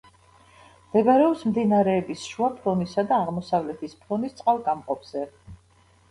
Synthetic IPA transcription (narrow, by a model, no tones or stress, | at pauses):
md̪̥ɛbaɾɛɔpsmd̪inaɾɛːbisʃuapʰlɔnisad̪aːʁmɔsavlɛt̪ʰispʰlɔnist̪sʼqʼalˠɡamqʼɔpʰz̥ɛ